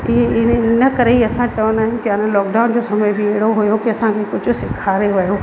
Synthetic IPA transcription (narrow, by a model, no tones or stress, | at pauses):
ɪeɪnnəkɐɾeɦiɐsãt͡ɕɐʋənaːɦɪnɪ̆kɪanẽlɔːkɖaːʊnd͡ʑoːsɐməjbʱɪeːɽoɦujokiɐsãkʰekʊd͡ʑʱʊsɪkʰaːɾeʋɐjoː